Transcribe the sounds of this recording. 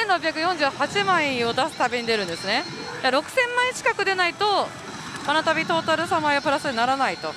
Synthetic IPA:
ẽ̞nɾo̞pbʲjakɯ̟jõɲ̟d͡ʑɨːhat͡ɕimaĩo̞d̪asɨ̥t̪abeɲ̟id̪e̞ɾɯ̟̃nd̪e̞sɨne | daɾo̞kɯ̟̥sẽ̞mːãĩt͡ɕi̥kakɯ̟d̪e̞nait̪o̞ | anat̪abʲit̪o̞ːt̪aɾɯ̟samaiopɯɾasɨd̪enaɾanait̪o̞

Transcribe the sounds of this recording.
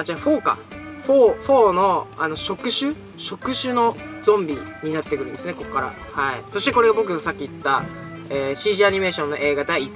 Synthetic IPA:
d͡ʑaɸo̞ːka̰ɸoɸo̞ːno̞ano̞ɕo̞kɯ̟ɕɨ | ɕo̞kɯ̟ɕɨno̞zõ̞mbʲiɲ̟inat̪ːe̞kɯɾɯ̟nd̪esɨne̞ko̞kkːaɾa̰ | haḭso̞ɕi̥t̪e̞ko̞ɾe̞ɡabo̞k̬ɯ̟t̪osakʲːiːt̪ːa | eːɕiːʑiaɲ̟ime̞ːɕõnːo̞ʔe̞ːɡad̪aiːs

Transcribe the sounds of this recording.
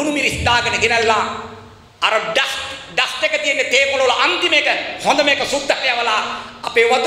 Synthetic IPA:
unumiɾist̪aːɡənəɡenɛlːa | ɐɾɐɖasɖasʈ̪ekət̪ijenːet̪eːmolowɐlɐʔant̪imekəhɔnd̪ɐmekəsud̪ʱːaɾɐjaʋɐlaːpeːʋɐt̪

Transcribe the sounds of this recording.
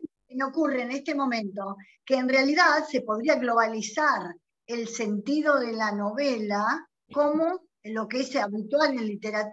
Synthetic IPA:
enokureːne̞st̪emõ̞mẽ̞nt̪o̞ | keːnrealiðaðse̞po̞ðɾiaɣlo̞β̞alisaɾ | else̞nt̪iðo̞ðe̞lano̞βela | komo̞ | lo̞keeseaβit̪walelːit̪eɾat̪

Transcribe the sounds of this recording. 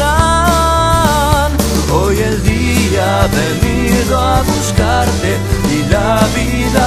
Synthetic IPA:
a | n | ojeld̪i | a | βeni | ðoaβuskaɾt̪e | ilaβi | ða

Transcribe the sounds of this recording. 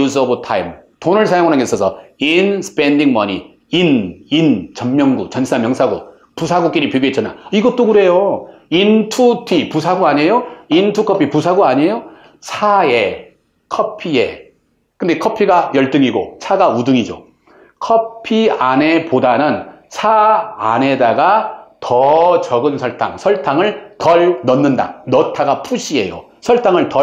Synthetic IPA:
us̬ʌbɯtʰaimtonɯɭsʰajoŋnɯnŋɡesʰʌsʰʌinsʰɯ̥pʰe̞ndiŋmʌni | inint͡ɕʌnmjʌŋɡut͡ɕʌnsʰamjʌŋsʰaɡṵ | pusʰaɡuk͈iɾipjiɡiɦet͡ɕ͈ʌna̰iɡʌt͈̚oɡɯɾe̞jointʰutʰipusʰaɡuaɲejointʰukʰʌpʰipusʰaɡuaɲejo | sʰae̞ | kʰʌpʰiḛ | kɯndekʰʌpʰiɡajʌɭt͈ɯŋiɡo̰t͡ɕʰaɡaudɯŋid͡ʑo̰ | kʰʌpʰiane̞podanɯn | sʰaane̞daɡatʌt͡ɕʌɡɯnsʰʌɭtʰa̰ŋsʰʌɭtʰaŋɯɭtʌɭnʌnːɯnda̰nʌtʰaɡapʰuɕʰiɦe̞̰jo̰ | sʰʌɭtʰaŋɯɭtʌ

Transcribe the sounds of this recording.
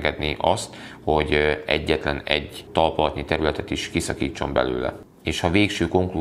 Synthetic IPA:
ɡɛd̪niʔɒst̪ho̞ɟɛ̰ɟːɛt̪lɛnɛ̰ɟt̪ɒlpolɒt̪nit̪ɛɾylɛt̪ɛt̪iʃkisɒkiːt͡ʃːo̞mbɛ̰lø̰ːlɛ̰ | eːʃhɒveːkʃøːko̞ŋklu

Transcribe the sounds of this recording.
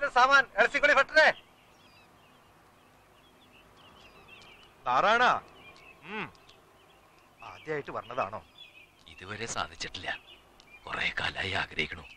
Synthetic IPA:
t̪ɐsaːmaːnelɐsikːolifɐʈːɐðe | t̪aːɾaːɳaː | aːd̪jaːjiʈːɨpɐrɐnːɐðaːɳo̞̰ː | iðuʋɐɾe̞sa̰ːd̪ʱit͡ɕːiʈːilːɐ | kurḛːka̰ːla̰ːjia̰ːɡɾɐɦikʲːɐɳu

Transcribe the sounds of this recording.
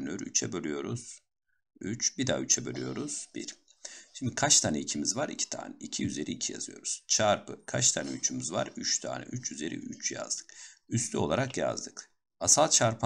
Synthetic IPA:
nyɾyt͡ʃʰɛbølʲyjo̞ɾuz̥ | yt͡ʃbid̪a̰yt͡ʃʰɛbølʲy̰jo̞ɾuz̥b̥iɾ | ʃimd̪ikʰat͡ʃt̪ʰaːnɛicʰimizvaɾicʰi̥t̪ʰa̰ːnɛʔicʰiyze̞ɾiːcʰija̰z̥ɯjo̞̰ɾuz̥t͡ʃʰaɾpʰɯkʰat͡ʃt̪ʰaːnɛyt͡ʃʰymyzva̰ɾyt͡ʃt̪ʰa̰ːnɛ̰ʔyt͡ʃyze̞ɾḭʔyt͡ʃja̰zd̪ɯ̥k̚yst̪ʰyo̞lˠaɾakja̰zd̪ɯk | asalˠt͡ʃʰaɾpʰ

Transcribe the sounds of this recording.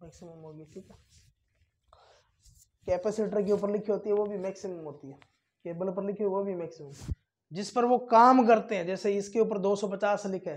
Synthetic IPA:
mɛːksɪməmɦoːɡiːʈʰiːkɛː | kɛːpɛːsɪʈəɾk̬euːp̬əɾlɪkʰɦoːt̪iɦɛʋobʱimɛːksɪməmɦoːt̪iɦɛː | keːbəlopəɾlɪkʰoʋobʱimɛːksɪməm | d͡ʒɪspəɾʋokaːmkɐɾt̪eɦɛ̃d͡ʒɛːseɪskeuːp̬əɾd̪oːsɔpɐt͡ʃaːslɪkʰɦɛː

